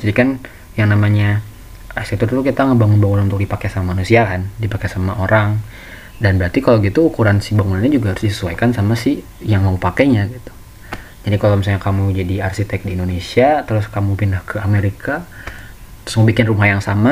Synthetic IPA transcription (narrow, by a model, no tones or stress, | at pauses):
d͡ʒadikan | jaŋnamaɲa | astit̪ʊrt̪ukit̪aŋəbaŋʊnbaŋunanunt̪ʊk̚dipakɛsamamanusiakandipakesamaʔoɾaŋ | danbəɾart̪ikaloɡit̪uːkuɾansɪ̥hbaŋunanɲad͡ʒuɡaɦaɾʊsdisə̥suajkansamasɪ | jaŋmaupakɛɲaɡit̪u̥ | d͡ʒadikalomisalɲakamud͡ʒadiarsit̪ɛk̚diːndonesiat̪əɾʊskamupinahkʰəameɾika | ɾʊsmubikɪnrumajaŋsama